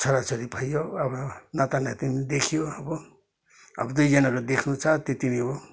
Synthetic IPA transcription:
sʌɾat͡soɾibʱʌjoʌbʌnat̪anat̪inid̪ekʰijoʌbʌ | ʌ̰bʌd̪ujd͡zʌnakod̪ekʰnut͡sʰʌt̪et̪iniɦo

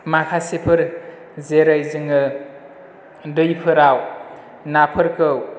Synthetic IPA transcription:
makʰasepʰɯɾ | zeɾajzɯŋɯ | dɯjpʰɯɾaw | napʰɯɾkɯw

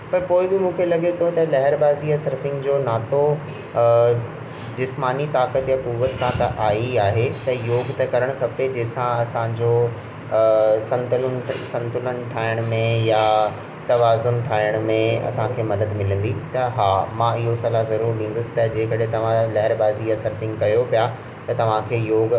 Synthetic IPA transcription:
pɐɾpoːɪbɪmũːkʰelɐɠet̪ʰot̪ɐlɐɦɪɾbaːziasɐɾfɪ̃ŋɡd͡ʑoːnaːt̪o | d͡ʑɪsmaːnit̪aːkət̪jakuːʋət̪sãt̪ɐʔaːiaːɦet̪ɐjoːɡt̪ɐkɐɾəɽ̃kʰɐped͡ʑeːsãɐsãd͡ʑoː | sɐ̃nt̪ʊlʊnsɐ̃nt̪ʊlən̆ʈʰaːɪɽ̃ʊ̆mẽja | t̪ɐʋaːzʊnʈʰaːɪɽ̃mẽɐ̰sãkʰeːmɐd̪əd̪mɪlə̃nd̪it̪ɐɦaːmãɪɦosɐlazɐɾuːɾlĩːnd̪ʊsɪ̥t̪ɐd͡ʑeːkɐɗɦẽt̪ɐʋ̤ãlɐɦɾbaːzijasɐɾfɪ̃ŋɡkɐjopija | t̪ɐt̪ɐʋ̤ãkʰeːjoːɡ

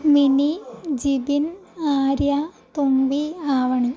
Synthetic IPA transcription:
minid͡ʑibinaːɾjat̪umbiaːʋɐɳi

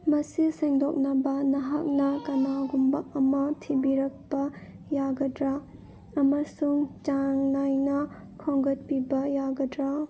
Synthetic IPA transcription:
mɐsiseŋdok̚nɐbɐnɐɦak̚nɐkɐnaɡumbɐk̚ɐmɐtʰibiɾɐk̚pɐ | jaɡɐdɾa | ɐmɐsuŋt͡ʃaŋnajnɐ | kʰoŋɡɐt̚pibɐjaɡɐdɾa

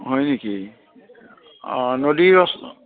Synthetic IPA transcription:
ɦɔjneki | nodiɹɔs

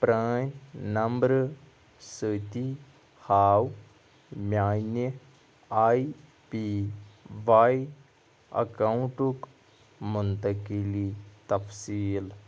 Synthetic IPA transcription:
pɾaːnnɐmbɾ | sət̪i | haːw | mʲaːne | aːi | pi | ʋaːji | ɐ̰kãɳʈuk | mʊnt̪ɐkilit̪ɐfsiːl

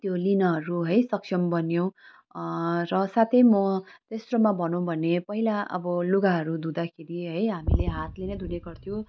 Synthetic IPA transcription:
t̪jolinʌɦʌɾuɦʌjsʌksʰʌmbʌnjo | rʌsat̪ʰʌjmʌt̪esrʌmabʱʌnõw̃bʱʌnepʌɦilaʔʌ̰bʌloɡaɦʌɾud̪ud̪akʰeɾiɦʌjɦamileɦat̪lenʌd̪ʱuneɡʌrt̪ʰjõ

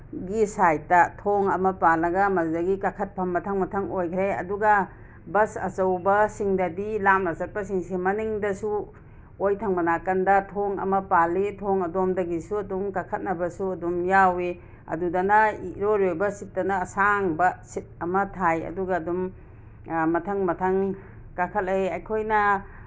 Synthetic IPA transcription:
ɡisajtːɐtʰoŋɐmɐpalːɐɡɐmɐdɐɡikakʰɐt̚pʰɐmːɐtʰɐŋmɐtʰɐŋojkʰɾeɐ̰duɡɐ | bɐsɐ̰t͡ʃɐwbɐsiŋdɐdilamnɐsɐt̚pɐsiŋsemɐniŋdɐsu | ojtʰɐŋmɐnakɐndɐtʰoŋɐ̰mɐpalitʰoŋɐdomdɐɡisuɐdumkakʰɐt̚nɐbɐsuɐdumjawe | ɐ̰dudɐnɐiɾoɾiojbɐsit̚ːɐnɐːsaŋbɐsit̚ɐmɐtʰajɐ̰duɡɐːdum | mɐtʰɐŋmɐtʰɐŋ | kakʰɐt̚eɐjkʰojnɐ

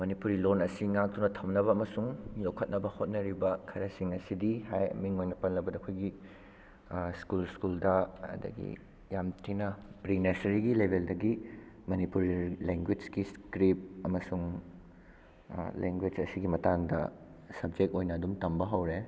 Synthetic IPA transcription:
mɐnipuɾilonɐsiŋak̚t̪unɐtʰɐmnɐβɐːmɐsuŋlokʰɐt̚nɐbɐhot̚nɐɾibɐkʰɐɾɐsiŋɐsidihajɐ̰miŋojnɐpɐnlɐbɐdɐkʰojɡi | skulskuldɐɐ̰d̪ɐ̰ɡḭ | jamtʰinɐbɾinesɐɾiɡilebʱeldɐɡi | mɐnipuɾleŋɡwid͡ʒɡiskɾip̚ɐmɐsuŋ | lḛŋɡwed͡ʒɐsiɡimɐtaŋdɐ̰sɐb̚d͡ʒek̚tojnɐːdumtɐmbɐɦɐwɾe

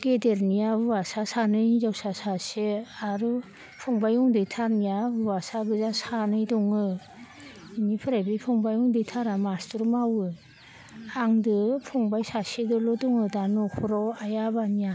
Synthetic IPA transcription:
ɡ̥edeɾnijabubasasanɯjizawsasaseaɾu | pʰɔŋbajɔŋdɯjtʰaɾnijabuwasaɡɯzasanɯjdɔŋɯ | inipʰɯɾajbipʰɔŋbajɔŋdɯjtʰaɾamastɯɾmawɯ | aŋdɯpʰɔŋbajsasedɯlodɔŋɯdanɔkʰɔɾɔwajabanija

